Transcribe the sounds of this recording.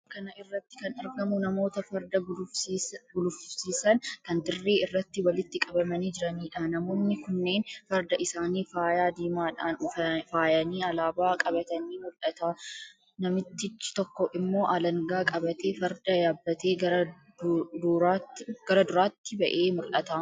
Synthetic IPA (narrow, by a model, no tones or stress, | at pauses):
kɐnɐʔɪrːɐt̪ːɪ̥kɐnɐɾɡɐmʊnɐmo̞ːt̪ɐfɐɾd̪ɐ | ɡʊlʊfsiːsɐnkɐnd̪ɪrːe̞ːɪrːɐt̪ːɪwɐlɪt̪ːɪkʼɐbɐmɐniːd͡ʒɪɾɐniːᶑaːnɐmoːnːɪkʊnːe̞ːnfɐɾd̪ɐʔɪsaːniːfaːjaːd̪iːmaːᶑaːnʊɐfaːjɐniːɐlaːbaːkʼɐbɐt̪ɐniːmʊlɐt̪aː | nɐmɪt̪ːɪt͡ʃːɪ̥t̪ɔkːɔʔɪmːo̞ːʔɐlɐŋɡaːkʼɐbɐt̪e̞ːfɐɾd̪ɐjaːbːɐt̪e̞ːɐɾɐ | dɾaːt̪ːɡ̥ɐɾɐd̪ʊɾaːt̪ːɪbɐʔe̞ːmʊlʔɐt̪aː